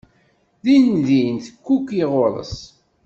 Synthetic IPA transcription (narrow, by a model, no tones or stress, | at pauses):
ðinðinθkːukiʁʊɾˤə̰s